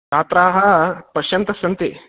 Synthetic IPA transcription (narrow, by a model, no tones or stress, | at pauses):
kaːt̪ɾaːɦɐpɐʃjɐnt̪ɐsɐnt̪i